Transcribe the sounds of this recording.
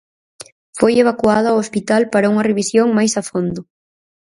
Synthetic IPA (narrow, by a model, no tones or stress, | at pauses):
fojeβ̞akwaðʊaospit̪alpaɾɐuŋɐreβisjoŋmajsafond̪ʊ